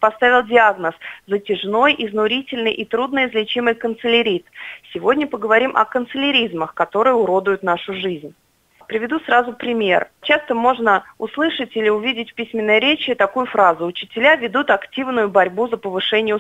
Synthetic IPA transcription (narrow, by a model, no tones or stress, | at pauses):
pɐst̪avʲɪlˠdʲɪaɡnəszətʲɪʐno̞jʔɪznʊɾʲitʲɪlʲnɨjʔit̪ɾud̪nəɪzlʲɪt͡ɕiməjkənt̪sɨlʲɪɾʲit̪sʲɪvo̞dʲnʲəpəɡəvɐɾʲimʔɐ̰kənt̪sɨlʲɪɾʲizməxkɐt̪o̞ɾɨjəʊɾod̪ʊjʊt̪naʂʊʐɨzʲnʲ | pɾʲɪvʲɪd̪usrazʊpɾʲɪmʲe̞̰rt͡ɕast̪əmo̞ʐnəʊslˠɨʂətʲilʲɪʊvʲidʲɪtʲpʲisʲmʲɪnːəjəɾʲet͡ɕɪt̪ɐkujʊfɾazʊʊt͡ɕɪ̥tʲɪlʲavʲɪd̪ut̪ɐktʲivnʊjʊbɐɾʲbuzəpəvɨʂɛnʲɪjə